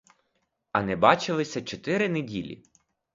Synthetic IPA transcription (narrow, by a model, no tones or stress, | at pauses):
ɐnɛbɑt͡ʃɪlˠɪsʲɐt͡ʃɔt̪ɪɾɪnedʲḭlʲḭ